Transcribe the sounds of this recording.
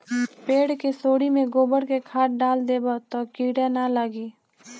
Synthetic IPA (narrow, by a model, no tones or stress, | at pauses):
peːɽkesoːɽimẽɡoːbəɽkekʰaːʈ̚ɖaːld̪eːbot̪okiːɽenalaːɡiː